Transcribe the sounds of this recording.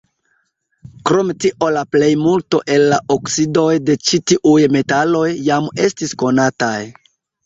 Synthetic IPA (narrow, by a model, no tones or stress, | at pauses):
kɾo̞metiʔo̞laple̞jmulto̞ʔe̞lːaʔoksido̞jde̞t͡ʃitiʔujme̞talo̞jːame̞stisko̞nataj